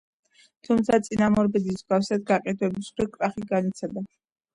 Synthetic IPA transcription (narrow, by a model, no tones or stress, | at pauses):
t̪ʰumt̪sʰat̪sʼinamɔɾbɛd̪iszɡafsad̪̚ɡaqʼɛd̪wɛbisχwɛkʼɾaχiɡanit̪sʰad̪a